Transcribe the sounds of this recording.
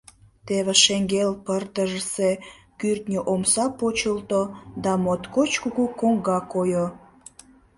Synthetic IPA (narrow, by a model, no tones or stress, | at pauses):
t̪eβeʃeŋɡelpərd̪əʒəse | kyrt̪nʲəʔomsɑpot͡ɕəlt̪od̪ɑmot̪kot͡ɕkuɣukoŋɡɑkojo